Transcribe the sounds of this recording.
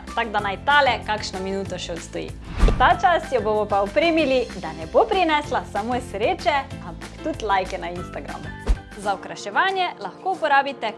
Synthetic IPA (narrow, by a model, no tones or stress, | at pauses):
t̪aɡd̪anajt̪aːlɛkakʃnɔminuːt̪ɔʃɛɔt̪st̪ɔjḭt̪at͡ʃast̪jɔbomɔpaɔpɾeːmilid̪anɛbopɾinɛslasamoːjɛsɾeːt͡ʃɛampḁkt̪ut̪lajkɛnainst̪aɡɾa̰mu | zaɔkɾaʃɛʋaːnjɛlaxkoupɔɾaːbit̪ɛ